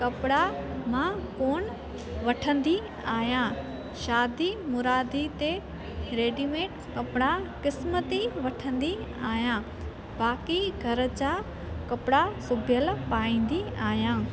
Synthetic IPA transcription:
kɐpɪɽamãkoːn | ʋɐʈʰə̃nd̪i | aːɦjã | ʃaːd̪imʊɾaːd̪it̪e | ɾeːɖimeːʈ | kɐpɪɽakɪsmət̪iʋɐʈʰə̃nd̪iaːɦjãː | baːkiɡʱɐɾə̆t͡ɕaː | kɐpɪɽasʊbʱɪjəlpaːĩːn̆d̪iaːɦjãː

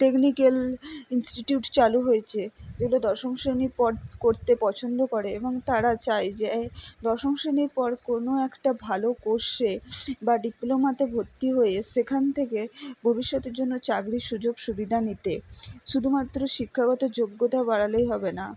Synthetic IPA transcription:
ʈeknikelinsʈiʈijuʈt͡ɕaluɦojet͡ɕʰed͡ʑeɡulod̪ɔʃoŋʃɾeniɾpɔɾkoɾt̪epɔt͡ɕʰond̪okoɾeeboŋt̪aɾat͡ɕajd͡ʑed̪ɔʃoŋʃɾeniɾpɔɾkonoɛkʈabʱalokoʃebaɖiplomat̪ebʱoɾt̪ːiɦojeʃekʰant̪ʰekebʱobiʃːɔt̪eɾd͡ʑonːot͡ɕaɡɾiʃud͡ʑoɡʃubid̪ʱanit̪eʃud̪ʱumat̪ːɾoʃikʰːaɡɔt̪od͡ʑoɡːot̪abaɽalejɦɔbena

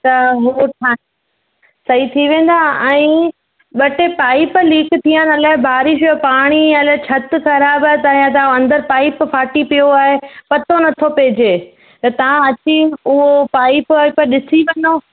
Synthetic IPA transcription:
t̪ɐɦuʈʰa | sɐɦit̪ʰiʋẽːn̆d̪aɛ̃ː | ɓɐʈepaːɪpliːkt̪ʰijənɐlaːɦɪbʱaːɾɪʃpaːɽ̃iɐlaːt͡ɕʰɐt̪ʊxɐɾaːbət̪aːijãt̪̬aɐ̃nd̪əɾpaːɪpfaːʈipijoaːɦepɐt̪onɐt̪ʰopeːd͡ʑeː | t̪ɐt̪ɐʋ̤ãɐt͡ɕiʊɦopaːɪppɗɪsiʋɐɲoː

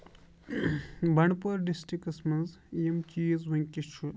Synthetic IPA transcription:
bʱɐɳɖpuɾɖisʈikɐsmɐnzjɐmt͡ʃiːzʋɐŋkʲit͡ʃʰu

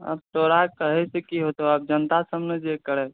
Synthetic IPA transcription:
ə̰b̚t̪oɾakəɦɛsekiɦot̪ɦoəb̚d͡ʒənt̪asəmned͡ʒekəɾɛ

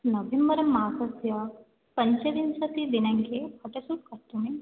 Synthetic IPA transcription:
nɐʋʱembɐɾɐmːaːsɐsjɐ | pɐɲt͡ʃɐʋinsɐt̪id̪inɐŋɡeɐʈɐsuʈ̚kɐɾt̪ini

